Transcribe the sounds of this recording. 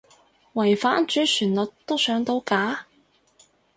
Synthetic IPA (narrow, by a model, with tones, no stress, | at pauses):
wɐ˨˩jfaː˨˥nt͡ʃyː˨˥syː˨˩nlɔ˨t̚t̪o˥wsœː˨˥ŋt̪o˧wkaː˨˥